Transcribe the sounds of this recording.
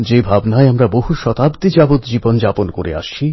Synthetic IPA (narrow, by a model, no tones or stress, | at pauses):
d͡ʑebʱabnaeamɾaboɦuʃɔt̪abd̪id͡ʑabot̪d͡ʑibond͡ʑaponkoɾḛa̰ʃt͡ɕʰi